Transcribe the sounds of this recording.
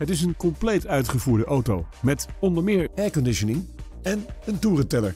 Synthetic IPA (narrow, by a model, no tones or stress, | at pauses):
ɦətɪs̬ənkɔmplejtœɥtχəvuːɹdəʔowtowmɛtɔndəɹmɪːɹɛkɔndɪʃənɪŋ | ɛnəntuːrətɛlə̰ɹ